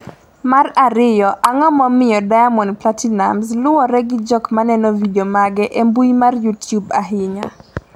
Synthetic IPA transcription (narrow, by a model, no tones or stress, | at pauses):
maraɾɪjɔʔaŋɔmɔmɪjɔdajamɔnplatinamslʊwɔɾɛɡɪd͡ʒɔkmanɛnɔvidiomaɡɛʔembujmarjutjubaɦɪɲa